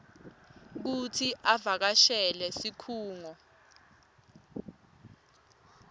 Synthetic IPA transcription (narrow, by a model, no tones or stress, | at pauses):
k̬utʰiʔavak̬aʃɛlɛsikʰuːŋɔ